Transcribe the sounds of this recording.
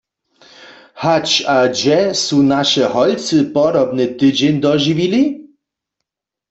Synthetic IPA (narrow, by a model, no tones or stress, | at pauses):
hat͡ʃad͡ʑɛsunaʃɛɦɔjt͡sɨpɔd̪ɔbnɛt̪ɨd͡ʑɛnʲd̪ɔʒivili